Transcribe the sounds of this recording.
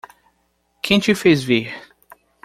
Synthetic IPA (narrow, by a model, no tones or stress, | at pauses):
kʰẽt͡ʃufezvi